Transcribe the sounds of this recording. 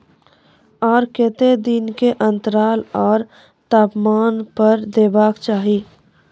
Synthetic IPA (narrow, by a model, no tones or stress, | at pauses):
ɔːɾkɪt̪ed̪ɪnkeʔə̃nt̪əɾaːlɔːɾ | t̪aːpmaːnpəɾd̪eːbaːkt͡ʃaːɦi